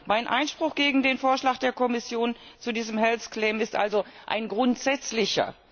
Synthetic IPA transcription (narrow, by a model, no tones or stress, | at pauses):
maɪnʔa̰ɪnʃpʁ̥ʊxɡ̥eːɡŋ̩deːnfoːɐʃlaːkd̥eːɐkɔmɪsjoːn | t͡sudiːzəmɦɛlskl̥ɛːmɪstʔa̰lzoʔa̰ɪnɡʁʊntz̥ɛt͡slɪçɐ̰